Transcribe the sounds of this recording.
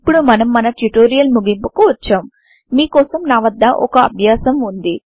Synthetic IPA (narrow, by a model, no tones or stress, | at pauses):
pːuɽumɐnɐmːɐnɐʈuʈoːɾijɐlmuɡimpukuʋɐt͡ʃːaːmː | iːkɔːsɐmnaːʋɐd̪ːɐʔɔ̰kɐɐ̰bʱjaːsɐmund̪i